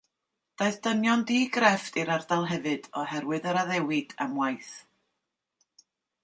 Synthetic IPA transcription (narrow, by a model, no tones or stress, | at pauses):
d̥aɨðd̥ənjɔndiːɡrɛftiɾardalˠɦɛvɨd̥ɔɦɛɾwɨðəɾaðɛwɪd̥a̰mwajθ